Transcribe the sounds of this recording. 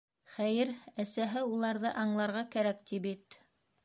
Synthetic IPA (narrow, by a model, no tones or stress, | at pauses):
χæjɘɾæsæɦɘulˠɑɾðɤʔɑɴlˠɑɾʁɑkæɾæk̚t̪ibit̪